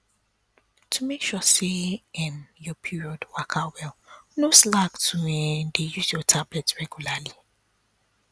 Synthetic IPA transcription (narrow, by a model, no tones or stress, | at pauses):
tʰumekʃɔseɪ̃njɔpʰiɹiɔdwakʰawɛlnoslaktʰuɛndejuzjɔtʰablɛtɹɛɡjulali